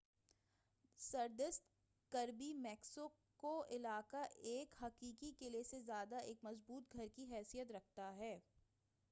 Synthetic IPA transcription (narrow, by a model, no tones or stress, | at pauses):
sɐɾd̪ɪst̪ | kɐɾbimɛːksõ | koʔɪlaːkaʔeːkɦɐqiːkikelesezjaːd̪aeːkmɐzbuːt̪̚ɡʱɐɾkiɦɛːsijət̪ɾɐk̚ʰt̪aɦɛː